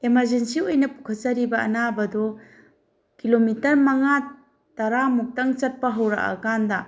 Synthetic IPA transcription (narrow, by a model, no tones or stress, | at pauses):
emɐɾd͡ʒensiojnɐpu̥kʰɐt͡ʃɐɾibɐɐ̰nabɐdɔ | kilomitɐɾmɐŋa | tɐɾamuk̚tɐŋt͡ʃɐt̚pɐɦɐwɾɐ̰ʔɐ̰kandɐ